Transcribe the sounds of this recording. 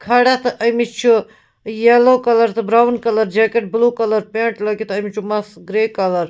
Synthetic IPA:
kʰɐɽat̪ɨʔəjmit͡ʃʰu | jelokɐlɐɾt̪ɨbɾawnkɐləɾd͡ʒekeʈ̚blukɐləɾpẽɳʈləkit̪əjmit͡ʃʰumɐsɡɾekɐləɾ

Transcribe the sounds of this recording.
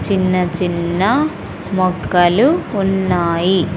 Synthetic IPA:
t͡ʃinːɐt͡ʃinːɐ | mɔɡɐluːnːaːji

